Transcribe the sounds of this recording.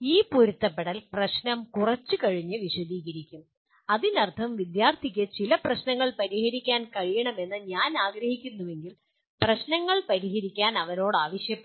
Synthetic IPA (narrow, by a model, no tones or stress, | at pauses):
iːpuɾut̪ːɐpːeɽɐlprɐɕnɐmkurɐt͡ɕːɨkɐɻiɲːɨʋiɕɐðiːɣɐɾikʲːum | ɐðinɐrt̪ʰɐmʋid̪jaːrt̪ʰikʲːɨt͡ɕilɐprɐɕnɐŋːɐɭpɐɾihɐɾikʲːaːnkɐɻijɐɳɐme̞nːɨɲaːnaːɡɾɐhikʲːunːuʋe̞ŋɡil | prɐɕnɐŋːɐɭpɐɾiɦɐɾikʲːaːnɐʋɐno̞ːɽaːʋɐɕjɐpːe